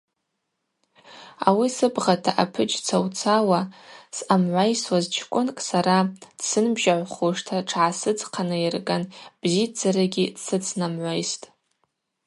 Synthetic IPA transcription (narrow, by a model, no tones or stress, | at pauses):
a̰wisɨbʁatʰaʔapʰɨd͡ʒt͡sʰawt͡sʰawasamʕʷajswazt͡ʃʰkʷʼʊnkʼsaɾad̥sɨnbʒaʕʷχuʂtʰaʈ͡ʂʰʕasɨd͡zqʰanɨirɡʼanb̥zid͡zaɾaɡʲidsɨt͡sʰnamʕʷajstʼ